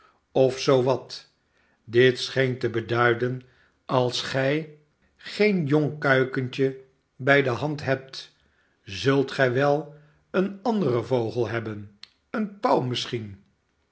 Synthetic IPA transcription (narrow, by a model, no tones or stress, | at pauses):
ɔfsowʋɑt | dɪtsχejntəbədœɥdən | ɑlˠsχɛj | χejnjɔŋkœɥkənt͡ʃə | bɛjdəɦɑntɦɛp̚t | zɵlˠtχɛjʋɛlˠ | ənɑndərəvowχəlˠɦɛbən | ənpawmɪsχin